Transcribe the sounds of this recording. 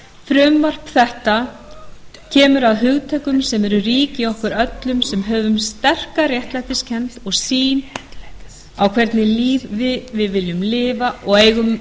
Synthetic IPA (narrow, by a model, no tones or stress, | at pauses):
fɾʏmvar̥pθɛht̪a | cʰɛːmʏɾaðɦʏɣt̪ʰɛːjkʏmsɛmɛɾʏriːcɪɔhkʏɾœt̪lʏmsɛmɦœːvʏmst̪ɛr̥karjɛht̪lajt̪ɪscʰɛnt̪ɔɣsiːn | awkʰv̥ɛɾt̪nɪliːvvɪvɪðvɪljʏmlɪːvaʔɔɣeːjɣʏm